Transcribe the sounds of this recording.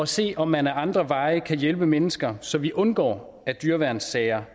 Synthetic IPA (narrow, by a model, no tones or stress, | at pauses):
ɒ̽se̝̰ːɒ̽mːænæɐɑ̈nd̥ʁɐʋɑ̈ɪəkʰæjelb̥əmenəsɡ̥ɐsɒ̽ʋiʔɔ̽nɡ̥ɒ̰ː | æɐd̥yɐʋæɐnsːɛɪɐ